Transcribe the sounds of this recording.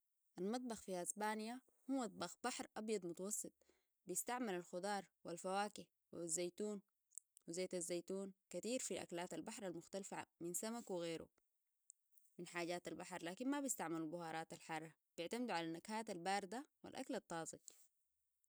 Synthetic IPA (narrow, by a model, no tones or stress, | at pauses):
ʔalmɑt̪̬̚ˤbɑxfiʔasbaːnja | humɑt̪̚ˤbɑxb̥aħɾˤʔɑbjɑd̪ˤmʊt̪ɑwɑsˤːɨt̪̚ˤ | bijɪst̪aʕmalalxʊd̪ˤɑːɾˤwalfawaːki | wzːajt̪uːn | wizeːt̪azːajt̪uːnkat̪iːɾfiʔa̰klaːt̪albaħɾˤalmʊxt̪alfaminsamakwiɣeːɾṵ | minħaːɟaːt̪albaħɾˤlaːkinmabijist̪aʕmalalbʊhɑːɾˤɑːt̪alħɑrˤːɑ | b̥ɪʕt̪amd̪uʕalanːakhaːt̪albaːɾd̪awḭlʔa̰kalat̪ˤːɑːzˤɨɡ